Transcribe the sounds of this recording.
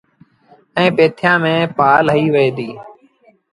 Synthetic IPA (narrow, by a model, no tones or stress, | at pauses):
ɛ̃ːpeːt̪ʰjãːmẽːpaːlɦəiːʋəeːd̪iː